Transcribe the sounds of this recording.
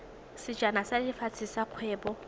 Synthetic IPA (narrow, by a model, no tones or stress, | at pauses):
sɪd͡ʒanasadɪfat͡sʰɪsaq͡χʰwɛːbɔ